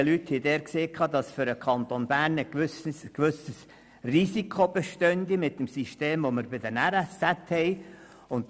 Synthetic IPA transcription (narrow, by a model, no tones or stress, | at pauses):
lyt̪hɛɪd̪ɛːɾkseːkʰɑːd̪ɑsfʏɾəkʰɑnt̪onb̥æːɾnəkʋʏsəskʋʉsəs | risikʰob̥ɛʃtœnd̪imɪt̪ːəmsiʃteːmʋoməɾbɪd̪ənæɾæst͡sæt̪hɛɪ | ʊnt